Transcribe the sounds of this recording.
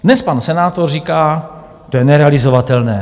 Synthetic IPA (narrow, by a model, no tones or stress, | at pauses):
dnɛspansɛnaːt̪orriːkaː | t̪ojɛnɛɾɛalɪzovat̪ɛlnɛː